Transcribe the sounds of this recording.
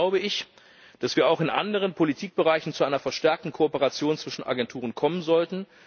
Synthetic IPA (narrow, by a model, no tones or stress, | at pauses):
aʊbəɪç | d̥asv̥iːɐaʊxɪnʔa̰ndəʁ̞ənpʰolitʰiːk̚b̥əʁaɪçn̩t͡suʔaɪnɐfɛɐʃtɛɐk̚tn̩kʰoopəʁat͡sjoːnt͡sv̥ɪʃn̩ʔa̰ɡɛntʰuːʁ̞ənkʰɔmənzɔltn̩